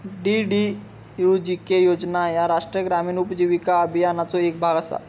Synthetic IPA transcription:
ɖiɖi | jud͡ʑikejod͡ʑnajaɾaʂʈɾijəɡɾamiːnupd͡ʑiʋikaəbʱijanat͡sɔek̚bʱaɡasa̰

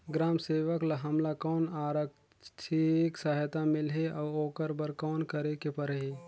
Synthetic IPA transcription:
ɡɾaːmseːʋəkləɦɐmlakɔːnaːɾək | t͡ʃʰiksəɦt̪amɪlɦeʔɔːoːkəɾbəɾkɔːnkəɾekepəɾɦeː

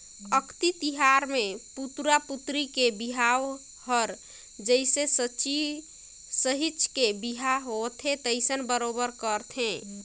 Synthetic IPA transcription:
əkʰt̪it̪iɦaɾmeput̪ɾaput̪ɾikebiɦaw | həɾ | d͡ʒəɪsesət͡ʃi | səɦit͡ʃkebiɦaɦot̪ʰet̪əɪsənbəɾobəɾkəɾt̪ʰẽ

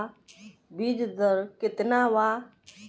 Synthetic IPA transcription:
biːd͡ʒd̪əɾkɪt̪naːʋaː

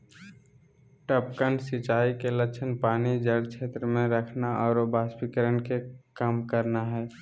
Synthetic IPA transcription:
ʈəpkəɳɖsɪt͡ʃaːikelət͡ʃʰənpaːnid͡ʒəɽt͡ʃʰeːt̪ɾəmẽɾəkʰnaɔːɾobaːspikəɾənkekəmkəɾnaɦɛː

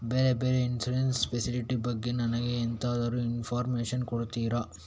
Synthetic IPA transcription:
beːɾebeːɾeinsuɾenspesiliʈibɐɡːe̞nɐnɐɡeːnt̪ɐɐd̪ɐɾuinfʰaːɾmeːʂɐnkoɽut̪iːɾɐ

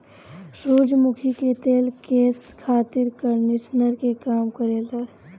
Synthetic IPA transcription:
soːd͡ʒmʊkʰiket̪eːlkeːskʰaːt̪ɪɾkəɾnɪsnəɾkekaːmkəɾeːle

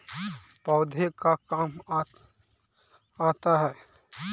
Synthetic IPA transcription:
pɔːd̪ʱekakaːm | aːt̪aɦɛː

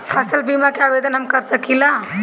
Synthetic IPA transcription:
pʰɐsɐlbiːmakeaːʋeːd̪ɐnɐmkːɐɾsɐkila

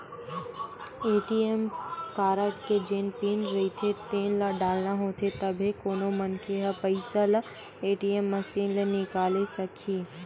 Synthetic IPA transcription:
eːʈiemkaːɾəʈked͡ʒeːnpiːnɾɐit̪ʰet̪eːnlaɖaːlnaɦoːt̪ʰet̪ɐbʱekoːnomɐnkʰeɦɐpɐɪsala | eːʈiemːɐsiːnlenɪkaːlesɐkʰiː

